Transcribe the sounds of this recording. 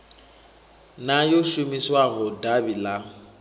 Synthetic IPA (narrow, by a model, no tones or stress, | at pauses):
najoʃumiswaɦʊdabila